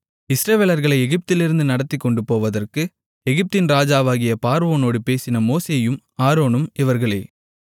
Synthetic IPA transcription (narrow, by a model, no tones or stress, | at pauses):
ɪsɾɐʋeːlɐɾɣɐɭɐɪɛɣɪp̚t̪ɪlɪɾɯnd̪ɯnɐɽɐt̪ːɪkːɔɳɖɯpːoːʋɐðɐrkɯ | ɛɣɪp̚t̪ɪnɾaːd͡ʒaːʋaːɣɪjɐpaːɾʋoːnoːɽɯpeːsɪnɐmoːseːjɯm | aːɾoːnɯmɪʋɐɾɣɐɭeː